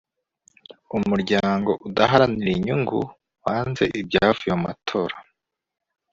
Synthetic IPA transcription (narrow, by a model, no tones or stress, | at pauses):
umuɾɟaːŋɡo̞ʔudaɦaɾaniɾiɲuŋɡṵ | waːnze̞̰ʔibɟaːvujoma̰tʰo̞ːɾa